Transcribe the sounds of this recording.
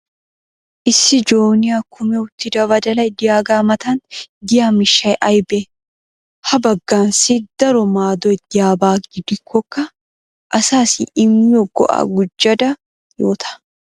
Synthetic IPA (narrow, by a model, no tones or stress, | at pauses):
ʔɪsːɪd͡ʒoːnɪjaːkʰʊmɛʊt̪ːɪd̪ɐbɐd̪ɐlɐjd̪ɪjaːɡaːmɐt̪ɐnd̪ɪjaːmɪʃːɐjʔɐjbɛ | hɐbɐɡːaːnsid̪̥ɐɾɔmaːd̪ɔt̪̚d̪ɪjaːbaːɡɪd̪ɪkʰːɔkːɐ | ʔɐsaːsʔɪmːɪɔɡːɔ̰ʔa̰ːɡʊd͡ʒːɐd̪ɐ | joːt̪ʰɐ̥